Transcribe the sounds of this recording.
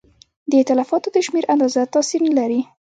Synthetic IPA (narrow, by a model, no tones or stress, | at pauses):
d̪əɪt̪ɪlafɑt̪od̪əʃmeɾʔand̪ɑzat̪ɑsiɾnlaɾi